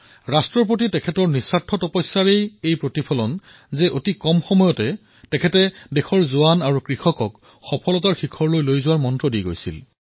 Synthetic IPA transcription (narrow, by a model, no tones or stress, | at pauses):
ɹastɹɔɹp̬otitɛkʰɛtɔɹnisatʰːɔtɔpɔjsːaɹejejpɹotipʰɔlɔn | zɛʔotikɔmxɔmɔjɔtɛ | tɛkʰɛtɛdɛxɔɹzʊwanaɹukɹixɔkɔk | xɔpʰɔlɔtaɹxikʰɔɹlojlojzʊwaɹmɔntɹɔdijɡo̰jsḭl